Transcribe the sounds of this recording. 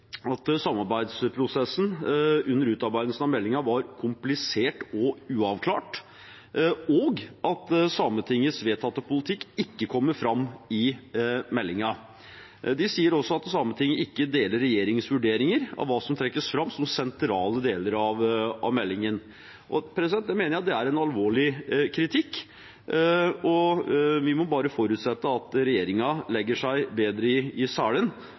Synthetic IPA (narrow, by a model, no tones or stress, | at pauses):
ɑt̪sɑmːɑɾbæɪd̪spʰɾʊsɛsːn̩ʉnːəɾʉːt̪ɑɾbæɪd̪əlsənɑʋmɛlːɪŋɑʋɑɾkʰʊmplɪseːʈɔʉːɑʋkʰlɑːʈ | oːɡʔɑt̪sɑmət̪ʰɪŋːəsʋeːt̪ʰɑt̪ːəpʊlɪt̪ʰɪkːɪkːəkʰɔmːəɾfɾɑmːɪmɛlːɪŋɑ | d̪ɪsiːəɾɔsːɔɑt̪sɑmət̪ʰɪŋːəɪkːəd̪eːləɾːɛjeːɾɪŋsʋʉɖeːɾɪŋəɾɑ̰ʋʋɑːsɔmt̪ʰɾɛkːəsfɾɑmːsɔmsɛnt̪ʰɾɑːləd̪eːləɾɑʋɑ̰ʋmɛlːɪŋən | ʔɔpʰɾɛsɪd̪ɛnjæɪmeːnəɾjæɑt̪̚d̪ɛæɾɛnɑlʋoːɭɪkʰɾɪt̪ʰɪkː | ɔʋɪmɔbɑːɾəfɔɾʉːt̪sɛt̪ːəɑt̪ɾɛjeːɾɪŋɑlɛɡːəʂæɪbeːd̪ɾəɪɪsæːɭən